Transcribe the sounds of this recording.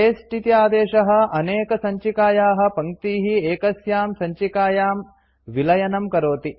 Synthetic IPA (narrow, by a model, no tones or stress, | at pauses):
eːsʈit̪jaːd̪eːʃɐɦɐ̆ɐneːkɐsɐɲt͡ʃikaːjaːɦɐ̆pɐŋt̪iːɦieːkɐsjaːmsɐɲt͡ʃikaːjaːm | ʋilɐjɐnɐmkɐɾoːt̪i